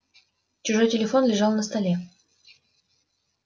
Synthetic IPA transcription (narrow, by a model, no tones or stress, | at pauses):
t͡ɕʊʐo̞jtʲɪlʲɪfo̞nlʲɪʐɑlˠnəst̪ɐlʲe